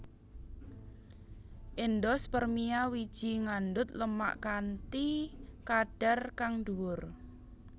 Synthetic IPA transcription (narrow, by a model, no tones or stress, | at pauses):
ʔɪnd̪ɔspərmiawid̥ʒ̥i̤ŋand̪ʊt̪ləma̰ʔkant̪ikaɖ̥a̤rkaŋɖuwʊr